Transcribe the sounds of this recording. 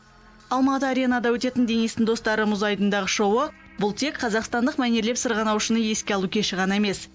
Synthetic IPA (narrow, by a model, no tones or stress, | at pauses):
ɑlˠmɑt̪əaɾʲenɑd̪ɑwɵt̪e̞t̪ɪnd̪e̞niest̪ɪnd̪o̞st̪ɑɾəmʊzɑjt̪ənd̪ɑʁəʃo̞wə | bʊlˠt̪ʰe̞kqʰɑzɑqst̪ɑnd̪əqmæne̞ɾlepsəɾʁɑnɑwʃənəje̞skʲe̞ɑlˠukʲʰe̞ʃɪʁɑnɑeme̞s